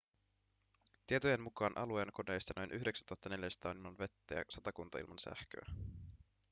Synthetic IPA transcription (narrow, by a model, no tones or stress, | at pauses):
t̪ie̞t̪ojenmukɑːnʔɑ̰lueːnɑko̞de̞jst̪ɑno̞jnʔyçdeksænt̪uɑt̪ːɑne̞ljæst̪ɑːnimːɑnʋe̞t̪ːæjɑ̰sɑt̪ɑkunt̪ɑḭlmɑnsæ̰hkø̰æ